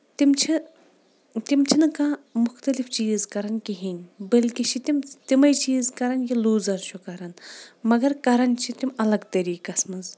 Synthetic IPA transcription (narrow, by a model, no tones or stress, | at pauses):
t̪imt͡ʃʰi | t̪imt͡ʃʰinɨkamʊxt̪ɐlift͡ʃiːzkɐɾɐnkiɦinʲbɐlkit͡ʃʰit̪imt̪imɐjt͡ʃiːzkɐɾɐnjiluːzɐɾt͡ʃʰukɐɾɐnmɐɡɐɾkɐɾɐnt͡ʃʰit̪imɐlɐɡt̪ɐɾiːkɐsmɐz